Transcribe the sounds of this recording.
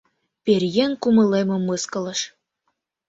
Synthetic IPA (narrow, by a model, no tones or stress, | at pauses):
perjenkumə̆lemŏmɤskɤ̆lə̆ʃ